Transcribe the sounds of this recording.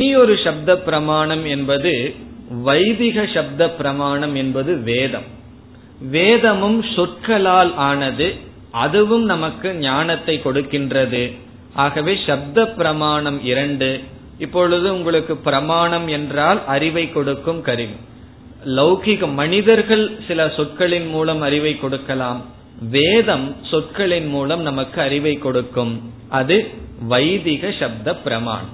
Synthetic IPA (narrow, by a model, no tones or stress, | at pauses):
iɔɾɯʂɐb̚d̪ɐpːɪɾɐmaːɳɐmɛnbɐðɯʋɐɪðɪɣɐʂɐb̚d̪ɐpːɪɾɐmaːɳɐmɛnbɐðɯʋeːðɐm | ʋeːðɐmɯmsʊrkɐɭaːlaːnɐðɯ | ʔɐðɯʋɯmnɐmɐkːɯɲaːnɐt̪ːɐɪkːɔɽɯkːɪndrɐðɯ | ʔaːɣɐʋeːʂɐb̚d̪ɐpːɪɾɐmaːɳɐmɪɾɐɳɖɯ | ɪpːɔɭɯðɯʊŋɡɐɭɯkːɯpɪɾɐmaːɳɐmɛndraːlʔɐɾɪʋɐɪkːɔɽɯkːɯmkɐɾɪʋi | lɐʊɣɪɣɐmɐnɪðɐɾɣɐɭsɪlɐsɔʈkɐɭɪnmuːlɐmɐɾɪʋɐɪkːɔɽɯkːɐlaːm | ʋeːðɐmsɔʈ̚kɐɭɪnmuːlɐmnɐmɐkːɯɐɾɪʋɐɪkːɔɽɯkːɯm | ʔɐðɯʋɐɪðɪɣɐʂɐb̚d̪ɐpːɪɾɐma̰ːɳɐ̰m